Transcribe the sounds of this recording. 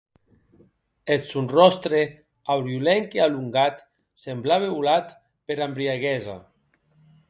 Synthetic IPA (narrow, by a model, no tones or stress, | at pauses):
esunrɔst̪ɾe | awɾjulɛŋkealuŋɡat̪ | semblaβeβulat̪ | peɾambɾiaɣɛza̰